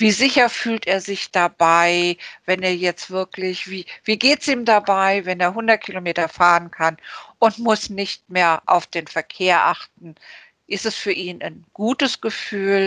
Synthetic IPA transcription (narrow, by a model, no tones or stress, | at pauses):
viːzɪçɐfyːlteːɐzɪçd̥abaɪvɛneːɐjɛt͡stv̥ɪɐklɪçv̥iːv̥iːɡeːtsʔiːmdabaɪvɛneːɐɦʊndɐt̚kʰilomeːtɐfaːʁənkʰanʔʊntmʊsnɪçtmeːɐʔa̰ʊfd̥eːnfɛɐkʰeːɐʔaχtn̩ | ʔɪstɛsfyːɐʔiːnʔaɪnɡ̥uːtəsɡ̥əfyːl